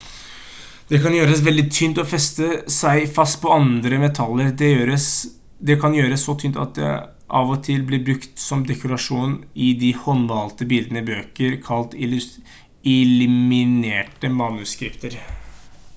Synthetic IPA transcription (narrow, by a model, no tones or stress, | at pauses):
d̪̥ɛkɑnjøːɾəsʋɛld̪ɪt̪ʰynt̪ɔfɛst̪əsæɪfɑst̪pʰɔɑnd̪ɾəmɛt̪ʰɑlːəɾd̪ɛøɾəs | d̪ɛkʰɑnjøːɾəsːɔt̪ʰyːnt̪ɑ̰t̪̚d̪ɛ̰ | ʔɑːʋɔt̪ʰɪlblɪbɾʉkt̪sɔmd̪ɛkʰʊɾɑʂuːnɪd̪ɪhɔnʋɑlt̪əbɪld̪ənəɪbøːkəɾkʰɑlt̪ɪ | ɪlʉmɪneːʈəmɑnʉskɾɪpt̪əɾ